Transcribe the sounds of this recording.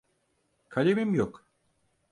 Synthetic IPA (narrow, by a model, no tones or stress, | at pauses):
kʰalʲemimjok